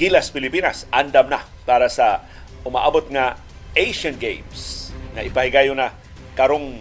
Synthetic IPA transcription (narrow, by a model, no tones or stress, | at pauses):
ɡ̥ilaspɪlɪpinasʔand̪amnapaɾasa | ʊmaʔabot̪̚ŋa | ʔejʃanɡḛjmsŋaʔɪpaɦɪɡajʊna | kaɾoŋ